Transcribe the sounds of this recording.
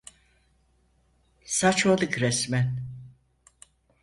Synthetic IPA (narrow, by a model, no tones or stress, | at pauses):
sat͡ʃʰolɯkɾɛsmɛn